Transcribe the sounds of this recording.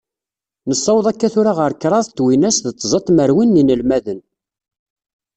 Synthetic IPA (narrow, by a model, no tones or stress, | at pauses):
nəsˤːɑwðˤækːæθʊɾaʁəɾkːɾˤɑðˤt̪ːwinæsðət͡s̪ˤːzˤɑt̪ˤməɾwinːinəlmæðən